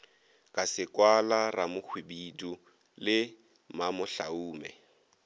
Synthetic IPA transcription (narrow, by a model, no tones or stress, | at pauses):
kʼasɪkʼwalaramʊk͡xʰwibidu | lɪ | mamʊɬa̰uːmɛ̰